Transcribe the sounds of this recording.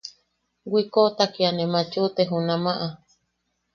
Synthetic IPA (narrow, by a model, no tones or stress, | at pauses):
ɡʷikot̪akianẽmãt͡ʃut̪eɦunãmãʔa